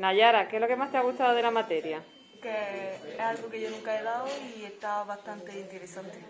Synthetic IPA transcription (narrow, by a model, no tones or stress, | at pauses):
naʝaɾakelo̞ke̞mast̪eaɣut̪aðoðe̞lamat̪e̞ɾja | keealɣokeʝonũŋkaelaoieht̪aβaht̪ant̪eint̪eɾesant̪e